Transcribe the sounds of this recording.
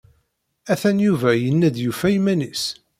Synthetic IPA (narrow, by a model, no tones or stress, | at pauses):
æθænjuvæjənːæd̪jufæjimænis